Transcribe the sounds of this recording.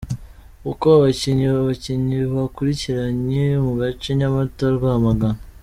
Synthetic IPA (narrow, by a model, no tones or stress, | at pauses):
ukoβaβaciɲiβaβaciɲiβakuɾiciɾaɲemuɡat͡ʃeɲamatoɾaɡamaɡan